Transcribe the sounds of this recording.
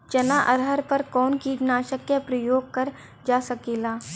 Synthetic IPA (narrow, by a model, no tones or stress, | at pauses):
t͡ʃɐnaʔɐɾɦəɾpɐɾkɔːnkiːd͡ʒnaːʃəkjəpɾɐjoːɡ̚kɐɾ | d͡ʒaːsɐkeːlaː